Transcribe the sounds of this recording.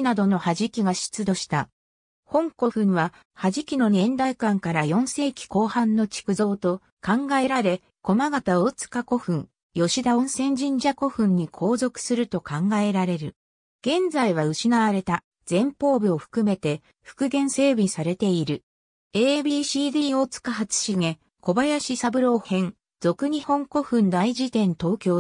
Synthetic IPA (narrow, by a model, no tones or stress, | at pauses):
nad̪o̞no̞haʑikʲiɡaɕi̥t͡sɨd̪o̞ɕi̥t̪a | hõ̞ŋko̞ɸɯ̟̃ɰβa | haʑikʲino̞nẽ̞nd̪aikãŋkaɾajõ̞ɰ̃se̞ːkʲi̥ko̞ːhãnːo̞t͡ɕi̥kɯ̟zo̞ːt̪o̞ | kãŋɡae̞ɾaɾe̞ | ko̞maɡat̪aot͡sɨ̥kako̞ɸɯ̟̃ŋ | jo̞ɕid̪aõ̞ɰ̃sẽ̞ɲ̟d͡ʑĩɲ̟d͡ʑako̞ɸɯ̟̃ɲ̟ːikʰo̞ːzo̞kɯ̥sɨɾɯ̟t̪o̞kãŋɡae̞ɾaɾe̞ɾɯ̟ | ɡ̥ẽ̞nd͡zaiβ̞aɯ̟ɕinaβaɾe̞t̪a | d͡z̥ẽ̞mpo̞ːbʲio̞ɸɯ̥kɯ̟me̞t̪e̞ | ɸɯ̟̥kɯ̟ɡẽ̞ɰ̃se̞ːbʲisaɾe̞t̪e̞iɾɯ̟ | eːbʲiːɕiːd̪iːo̞ːt͡sɨ̥kaɦat͡sɨ̥ɕiŋe̞ | ko̞bajaɕisabɯ̟ɾo̞ːhẽ̞ŋ | d͡zo̞kɯ̟ɲ̟ihõ̞ŋko̞ɸɯ̟̃nd̪aid͡ʑit̪ẽ̞nt̪o̞ːkʲo̞ː